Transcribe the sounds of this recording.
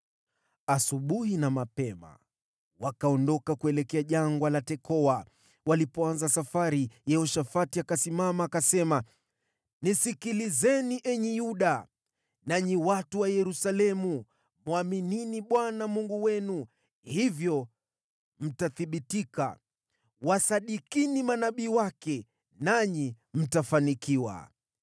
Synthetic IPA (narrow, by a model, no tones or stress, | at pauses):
asuɓuhinamapɛma̰ | wakaɔndɔkakuɛlɛkɛaʄaŋɡwalatɛkɔa | walipɔanzasafaɾijɛhɔʃafatiakasimamaːkasɛma | nisikilizɛniʔɛɲɛjuɗa | naɲiwatuwajɛɾusalɛmu | mwamininiɓwanamuŋɡuwɛnu | hivjɔ | m̩taθiɓitika̰ | wasaɗikinimanaɓiːwakɛ | naɲi | m̩tafanikiwa̰